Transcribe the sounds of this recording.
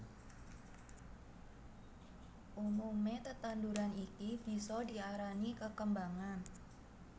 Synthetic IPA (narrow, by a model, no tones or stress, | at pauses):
ʔumumet̪ət̪anduɾanikib̥i̤sɔdi̤aɾanikəkəmbaŋan